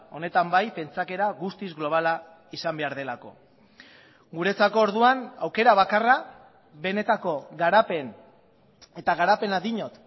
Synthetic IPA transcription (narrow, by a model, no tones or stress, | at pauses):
o̞ne̞t̪ambajpe̞nt͡sake̞ɾaɣust̪izɣlo̞β̞ala | isambe̞aɾð̞e̞lako̞̰ | ɡuɾe̞t͡sako̞ːɾðuanawke̞ɾaβ̞akara | βe̞ne̞t̪ako̞ɣaɾape̞n | e̞t̪aɣaɾape̞naðiɲo̞t̪